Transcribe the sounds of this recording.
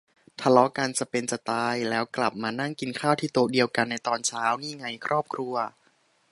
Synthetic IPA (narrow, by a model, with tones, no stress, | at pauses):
t̪ʰa˧lɔ˦˥ka˧nt͡ɕa˧˩pe˧nt͡ɕa˨˩t̪aː˧jlɛː˦˥wkla˨˩p̚maː˧na˥˩ŋki˧nkʰaː˥˩wt̪ʰiː˥˩t̪o˧di˧əwka˧nːa˧jt̪ɔː˧nt͡ɕʰaː˦˥wniː˥˩ŋa˧˩jkʰɾɔː˥˩p̚kʰɾu˧ɐ